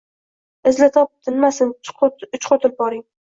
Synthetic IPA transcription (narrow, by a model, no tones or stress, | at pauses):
ɪzlɪt̪ʰɒp̚d̪ʰɪnmasɪnʊt͡ʃqʰot̪ʰɪlp̚bɒɾɪŋ